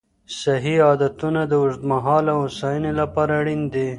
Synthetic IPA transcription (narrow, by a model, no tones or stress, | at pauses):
saɦiɑd̪at̪unad̪əwʊʐd̪maɦɑlawʊsajənelapɑɾaɽind̪i